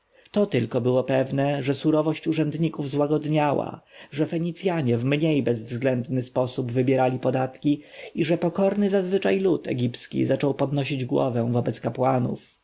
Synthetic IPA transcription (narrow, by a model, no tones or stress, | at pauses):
t̪ɔt̪ɘlkɔbɘwɔpɛvnɛʐɛsuɾɔvɔɕt͡ɕuʐɛnd̪ɲikuvzwaɡɔd̪ɲawa̰ʐɛfɛɲit̪sʲjaɲɛvmɲejbɛzvzɡlɛnd̪nɘspɔsubvɘbʲjɛɾalʲipɔd̪at̪kʲiiʐɛpɔkɔɾnɘzazvɘt͡ʂajlut̪ʰɛ̰ɡʲipskʲḭzat͡ʂɔwpɔd̪nɔɕ̬id͡ʑɡwɔ̰vɛ̃vɔbɛt̪skapwanṵf